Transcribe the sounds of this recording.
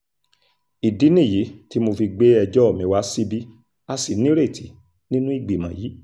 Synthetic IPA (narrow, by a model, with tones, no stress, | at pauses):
i˨di˨˦nĩ˦˨ji˨˦ti˨˦mo˧fi˧ɡ͡be˦ɛ˧d͡ʒɔ˦ɔ˦˨mĩ˨˦wa˦si˦bi˦ | a˧si˨nĩ˦ɾe˦˨ti˨ | nĩ˦nũ˦i˦˨ɡ͡bi˨mã˨ji˨˦